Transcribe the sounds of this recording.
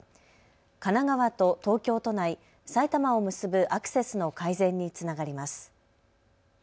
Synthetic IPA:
kanaɡaβat̪o̞t̪o̞ːkʲo̞ːt̪o̞nai | sait̪amao̞mɯ̟sɨbɯ̟ʔakɯ̟̥se̞sɨno̞kaizẽ̞ɲ̟ːit͡sɨnaɡaɾʲimasɨ̥

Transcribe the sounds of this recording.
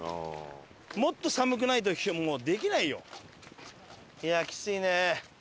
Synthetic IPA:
mo̞t̪ːo̞samɯ̟k̬ɯ̟nait̪̬oçʲomoːd̪e̞kʲinaijo̞̰ | jakʲi̥t͡sɨine

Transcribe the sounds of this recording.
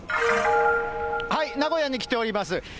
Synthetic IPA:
hainaɡo̞jaɲ̟ik̬ʲi̥t̪e̞o̞ɾʲimasɨ

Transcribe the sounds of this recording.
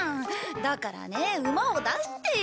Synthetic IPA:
d̪akaɾa̰ne̞ɯ̟mao̞d̪aɕt̪e

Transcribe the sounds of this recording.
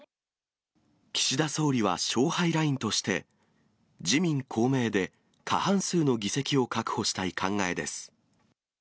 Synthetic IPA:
kʲi̥ɕid̪aso̞ːɾʲiβ̞a̰ɕo̞ːhaiɾaĩnt̪o̞ɕi̥t̪e̞̰ | d͡ʑimʲĩŋkʰo̞ːme̞ːd̪e̞ | kʰa̰hãɰ̃sɨːno̞ɡʲise̞kʲio̞kakɯ̟̥ho̞ɕi̥t̪aikʰãŋɡae̞d̪e̞sɨ̥

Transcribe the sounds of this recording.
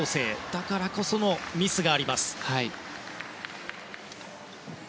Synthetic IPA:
oːse̞ːd̪̥akaɾako̞so̞no̞mʲisɨɡaːɾʲimasɨ̥hai

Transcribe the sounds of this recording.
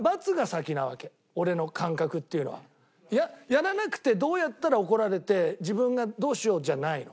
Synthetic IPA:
bat͡sɨɡasakʲinaβa̰ke̞ | o̞ɾe̞no̞kʰãŋkakɯ̟t̪ːe̞iɯ̟no̞̰βa̰ | jajaɾanakɯ̟̥t̪e̞d̪o̞ːjat̪ːaɾao̞ko̞ɾaɾe̞t̪e̞d͡ʑibɯ̟̃ŋɡad̪o̞ːɕio̞ːd͡ʑanaino̞̰

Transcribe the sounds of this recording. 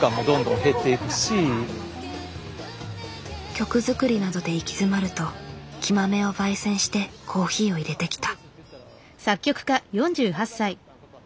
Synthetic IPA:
kãmːo̞d̪õ̞nd̪õ̞ɦe̞t̪ːeikɯ̟ɕi | kʲo̞kɯ̟zɨkɯ̟ɾʲinad̪o̞d̪e̞ikʲizɨmaɾɯ̟t̪o̞kʲimame̞o̞baisẽ̞ɰ̃ɕi̥t̪e̞kʰo̞ːçiːo̞iɾe̞t̪e̞kʲi̥t̪ḁ | sakʲːo̞kɯ̟̥kajõ̞ɲ̟d͡ʑɨːɦasːai

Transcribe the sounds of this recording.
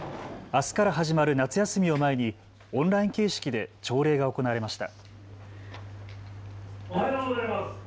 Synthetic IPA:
asɨ̥kaɾaɦaʑimaɾɯ̟nat͡sɨjasɨmʲio̞mae̞ɲ̟i | õ̞nɾaĩŋke̞ːɕi̥kʲid̪e̞t͡ɕo̞ːɾe̞ːɡao̞ko̞naβaɾe̞maɕi̥t̪a̰

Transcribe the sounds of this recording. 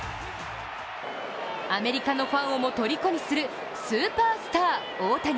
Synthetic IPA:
ame̞ɾʲikano̞ɸãɰ̃o̞mo̞t̪o̞ɾʲiko̞ɲʲisɨɾɯ̟ | sɨːpaːsɨ̥t̪aː | oːt̪aɲ

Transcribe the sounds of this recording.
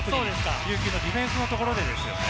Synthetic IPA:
so̞ːd̪esɨ̥kajɯ̟ːkʲɨːno̞d̪ʲiɸẽ̞ɰ̃sɨnot̪okoɾo̞d̪e̞d̪esɨjo̞̰

